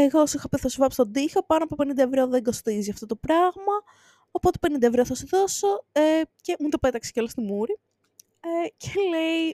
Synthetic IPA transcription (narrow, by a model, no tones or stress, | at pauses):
eɣo̞sixɐpiθɐsuvɐpst̪o̞nd̪iço̞pɐnoɐpope̞nind̪ɐevɾo̞ðe̞ŋɡo̞st̪iziɐft̪o̞t̪o̞pɾɐɣmɐ | opo̞t̪e̞penind̪ɐe̞vɾoθɐsuðo̞so̞ece̞mut̪ope̞t̪ɐkse̥ceolost̪imuɾi | ecʰele̞i